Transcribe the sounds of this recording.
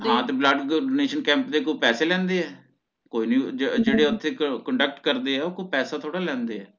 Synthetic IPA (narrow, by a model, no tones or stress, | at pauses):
ɦãːt̪eːbləɖɖoːneːʃənkɛ̃ːmpd̪eːkoːpɛːseːlɛ̃ːnd̪eːɛː | koːiːniːd͡ʒeːɽeːʊt̪ʰːeːkəɳɖək̚ʈkəɾd̪eːɛːoːkoːpɛːsaːt̪ʰoːɽaːlɛ̃ːnd̪eːɛː